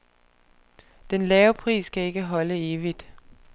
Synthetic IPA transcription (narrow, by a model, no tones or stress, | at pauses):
d̥enlɛːʊpʰʁḭːsɡ̥æe̝ɡ̥əɦɒ̽ləe̝ːʋid̥